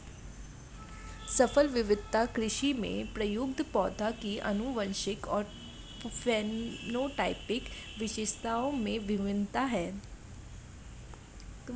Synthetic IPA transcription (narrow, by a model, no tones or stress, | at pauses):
sɐfəlʋɪʋɪd̪̚tt̪akɾɪʃimḛ̃pɾɐjʊɡ̚d̪ʱpɔːd̪ʱakiʔɐ̰nuʋə̃nʃɪkɔːɾ | pfɛːnoʈaːɪpɪkʋɪʃest̪aːõmẽʋɪʋɪnt̪aɦɛː | t̪